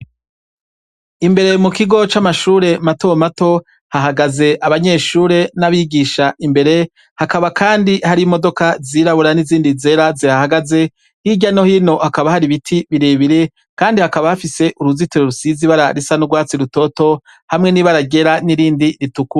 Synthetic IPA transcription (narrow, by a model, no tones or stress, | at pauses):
imbe̞ɾe̞mukiɡo̞t͡ʃamaʃuːɾe̞mato̞mato̞ | haɦaɡaze̞ʔaβaɲe̞ːʃuːɾe̞naβiɡiʃaʔimbe̞ɾe̞ | hakaβakʰaːndihaɾimo̞do̞kaziɾaβuɾaniziːndize̞ɾaziɾahaɡaze̞ | hiɟano̞hino̞hakaβahaɾiβitʰiβiɾeβiɾe̞ | kaːndihakaβahafise̞ʔuɾuzituɾeɾusiziβaɾaɾisanuɡwaːt͡siɾuto̞to̞ | hamŋe̞niːβaɾaɡe̞ɾaniɾiːndiɾituku